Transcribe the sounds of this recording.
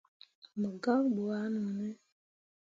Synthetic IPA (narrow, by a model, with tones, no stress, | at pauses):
mə˨ɡa˦ŋbu˨a˦nə˨nɛ˦